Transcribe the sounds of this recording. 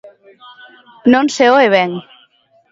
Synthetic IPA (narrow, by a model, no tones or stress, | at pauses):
nonseoeβeŋ